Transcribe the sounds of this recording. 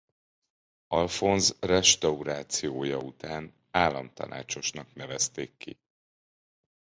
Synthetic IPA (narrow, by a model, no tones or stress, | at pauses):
ɒlfo̞nzrɛʃt̪ɒuɾaːt̪sijoːjɒut̪aːn | aːlːɒmt̪ɒ̰na̰ːt͡ʃo̞ʃnɒknɛvɛst̪eːkːḭ